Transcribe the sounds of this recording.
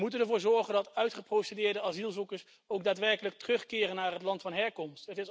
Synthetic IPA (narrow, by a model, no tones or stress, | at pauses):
mutənəɹvʊːɹzɔɹχəndɑtœɥtχəprowsedɪːɹdəazilˠzukəɹs | owɡdaːtʋɛɹkələk̚tərɵχkɪːrənːaːrɦətlɑntfɑnɦɛɹkɔmstətɪs